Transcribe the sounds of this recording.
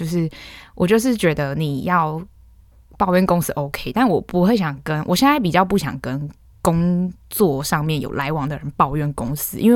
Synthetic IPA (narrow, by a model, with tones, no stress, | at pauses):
t͡ɕo˥˧ʊʂɻ̩˥˩wʔɔ˨˩t͡ɕjo˥˧ʊʂ̬ɻ̩˥˩t͡ɕɥɛ˧˥d̪ə˧ni˨˩jɑ˥˩ʊ | pɑ˥˧ʊɥɛ˥˩nkʊ˥ŋsɹ̩˥ʔo˧˥ʊkʰe˥ɪt̪a˥˩nwɔ˨˩pu˧˥xwe˥˩ɪɕjɑ˨˩ŋkə˦nwʔɔ̰˨˩ɕjɛ˥˨na˥˩ɪpi˨˩t͡ɕjɑ˥˧ʊp̬u˥˩ɕjɑ̰˨˩ŋkə˦n | kʊ˦ŋt͡swɔ˥˨ʂɑ˥˧ŋmjɛ˥˨˩njo̰˨˩la˧˥ɪwɑ˧˥ŋd̪ə˨ɻə˧˦npɑ˥˧ʊɥɛ˥˩nkʊ˥ŋsɹ̩ɨ˥ʔḭ˧˥nwe˥˩